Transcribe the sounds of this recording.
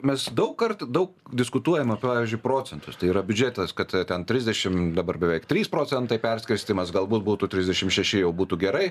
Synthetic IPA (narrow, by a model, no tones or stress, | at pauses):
mʲɛsd̪ɐʊkkɐrt̪d̪ɐʊkd̪ʲɪskʊt̪uɔjɛmɐpɑːʋʲɪzʲd͡ʒʲʊɪpɾoːt͡sʲɛnt̪ʊst̪ɐɪiːɾɐbʲʊd͡ʒʲet̪ɐskɐt̪t̪ʲɛnt̪ʲɾʲɪzʲd̪ʲɛʃʲɪmd̪ɐbɐrbʲɛʋʲɛɪkt̪ʲɾʲiːspɾoːt͡sʲɛnt̪ɐɪpʲɛrʲsʲkʲɪɾʲsʲt̪ʲimɐsɡɐlˠbuːt̪̚buːt̪ʊtʲɾʲɪzʲdʲɛʃʲɪmʃʲɛʃʲɪjɛʊbuːt̪uɡʲɛɾɐɪ